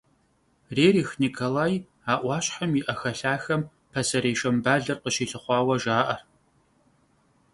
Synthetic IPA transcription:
reːriːxnikʰolaːj | aːʔʷɑːɕħamiʔɐxɐɬaːxɐm | pʰɐsɐɾeːʂɐmbaːɮɐrqəɕiːɬɨχʷɑːwɐʒaːʔɐr

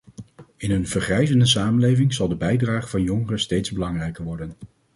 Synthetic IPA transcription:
ɪnɦɵnvəɹχrɛjzəndəs̬aːmənlejvɪŋz̥ɑlˠdəbɛjdraːχəvɑnjɔŋərəstejtzbəlɑŋrɛjkəɹʋɔɹdən

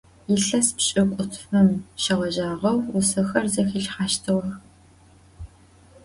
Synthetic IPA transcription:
jɪɬɐspɕʼɪkʷʼʊtʰfɨmʃɐʁʷɔʒaːʁɐwʊsɐxɐrzɐxiɬħaːʃtʰɨʁɐx

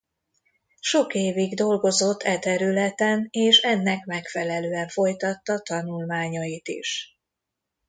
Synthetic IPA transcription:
ʃo̞keːviɡd̪o̞lɡo̞zo̞t̪ʰːɛt̪ɛɾylɛt̪ɛneːʃɛnːɛkmɛkfɛlɛløːɛɱfo̞jt̪ɒt̪ːɒt̪ɒnulmaːɲɒit̪ḭʃ

